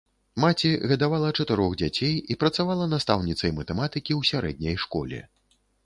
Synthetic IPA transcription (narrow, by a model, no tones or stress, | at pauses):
mat͡sʲiɣɐd̪avalˠɐt͡ʂɐt̪ɨɾɔɣd͡zʲat͡sʲejipɾɐt̪savalˠɐnast̪awnʲit̪sɐjmɐt̪ɛmat̪ɨkʲiwsʲaɾɛ̰d̪̚ʲnʲɐjʂkɔ̰lʲɛ̰